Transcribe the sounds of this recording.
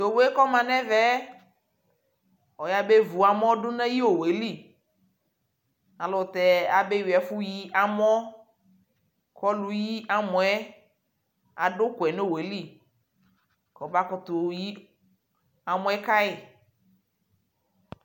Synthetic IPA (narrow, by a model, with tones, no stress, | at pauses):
o˨we˦kɔ˦mã˨nɛ̃˦vɛ˦ | ɔ˨ja˦be˦vu˨a˨mɔ̃˦dʊ˦nɛ̃˦ji˦o˨we˨li˦˨ | a˨lɔ˨t̪ɛ˨a˨be˦wi˨ɛ˨fʊ˦ji˦ʔa˨m˦ɔ˦ | kɔ˦lu˨ji˦a˨mʊ̃˨ɛ˦ | a̰˨dʊ˦kʷɛ˨ne˦˨we˨li˦˨ | kɔ˨ba˦kɔ˨t̪ʊ˨ji˦ | a˨mʊ̃˨˦ɛ˦ka˦ɪ˨